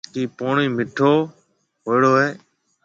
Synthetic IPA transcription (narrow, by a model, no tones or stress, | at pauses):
kiːpoːɳiːmɪʈʰoː | ɦoːɪɽoːɦeː